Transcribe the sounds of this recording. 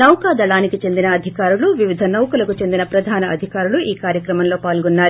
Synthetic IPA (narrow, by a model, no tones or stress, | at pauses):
nɐwkaːd̪ɐɭaːnikit͡ʃe̞nd̪inɐːd̪ʱikaːɾuluʋiʋid̪ʱɐnɐwkulɐkut͡ʃe̞nd̪inɐpɾɐd̪ʱaːnɐɐd̪ʱikaːɾuluʔiːkaːɾjɐkɾɐmɐnlo̞ːpaːlɡɔnːaːɾu